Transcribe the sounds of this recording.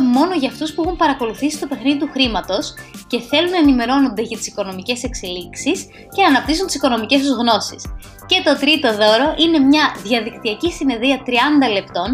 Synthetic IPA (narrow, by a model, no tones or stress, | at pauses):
mo̞no̞ʝɐːft̪uspuexumpɐɾɐko̞luθisi̥st̪o̞pe̞xniðit̪uxɾimɐt̪o̞sce̞θe̞lunɐenime̞ɾo̞no̞nd̪e̞ʝɐt̪i̥si̥ko̞no̞mice̞se̞kse̞liksis | ce̞nɐnɐpt̪isunt̪isi̥ko̞no̞mice̞s̬ozɣno̞sis | ce̞t̪o̞t̪ɾit̪o̞ðo̞ɾo̞ʔine̞mɲɐðʝɐðikt̪iɐcisine̞ðiɐt̪ɾiɐnd̪ɐle̞pt̪o̞n